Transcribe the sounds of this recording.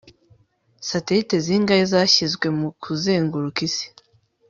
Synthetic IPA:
sateɾite̞ziːŋɡajezaçizɡwe̞mukʰuze̞ːŋɡuɾukisi̥

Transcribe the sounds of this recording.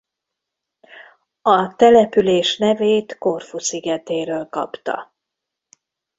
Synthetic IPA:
ɒt̪ɛlɛpyleːʃnɛveːt̪ko̞rfusiɡɛt̪eːɾøːlkɒ̰pt̪ɒ̰

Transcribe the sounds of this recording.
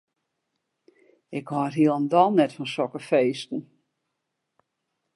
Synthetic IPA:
ɪkhɔətɦiəlˠəndɔlˠnɛtfɔnsɔkəfeːstn̩

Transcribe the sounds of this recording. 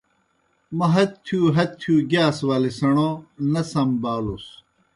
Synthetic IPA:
mɐɦɐt̪ʰːjuːɦɐt̪ʰːjuːɡaːswaːlisɐɳonɐsɐmbaːlus

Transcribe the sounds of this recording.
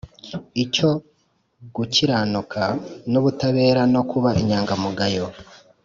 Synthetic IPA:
ico̞ | ɡuciɾaːnukʰanuβutaβe̞ːɾano̞kuβaʔḭɲaːŋɡamuɡajo̞

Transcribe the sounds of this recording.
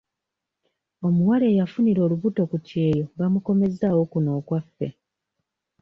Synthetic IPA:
o̞muwale̞ːjafuniɾo̞ːluβuto̞kutje̞ːjo̞βamuko̞me̞zawo̞kuno̞ːkwafːe̞̰

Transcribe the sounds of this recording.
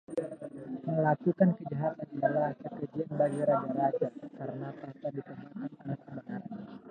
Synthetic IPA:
məlakukankəd͡ʒaɦat̪anidalasəkəd͡ʒianbaɡiɾad͡ʒaɾad͡ʒakaɾənap̪atadikəmaʔananasəbənarɲa

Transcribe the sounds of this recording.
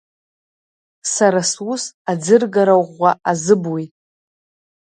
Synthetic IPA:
saɾaswusad͡zɨrɡaɾawʁʷːaʔazɨbwitʼ

